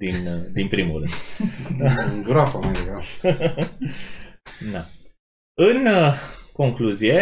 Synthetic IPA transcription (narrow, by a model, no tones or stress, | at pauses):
d̪ind̪inpɾimuɾɨ̰nd̪ | ɡɾafamajd̪eɡɾaf | na | ɨnko̞ŋkluzije̞